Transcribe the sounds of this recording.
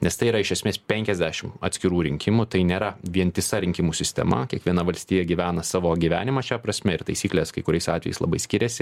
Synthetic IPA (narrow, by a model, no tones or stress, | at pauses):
nʲɛst̪ɐɪiɾɐɪʃʲɛsʲmʲeːspʲɛŋʲkʲɛzʲd̪ʲæːʃʲɪmɐt̪sʲkʲɪɾuːɾʲɪŋʲkʲɪmut̪ɐɪnʲeːɾɐʋʲiɛnt̪ʲɪsɐɾʲɪŋʲkʲɪmuːsʲɪsʲt̪ʲɛ̰mɐ̰kʲiɛkʋʲiɛnɐʋɐlʲsʲt̪ʲiːjɛɡʲiʋʲæːnɐsɑːʋoːɡʲiʋʲæ̰ːnʲɪmɑʃʲæpɾɐsʲmʲɛɪɾt̪ɐɪsʲiːklʲeːskɐɪkʊɾʲɛɪsɑ̰ːt̪ʲʋʲɛjɛɪslˠɐ̰bɐɪsʲkʲɪɾʲɛsʲɪ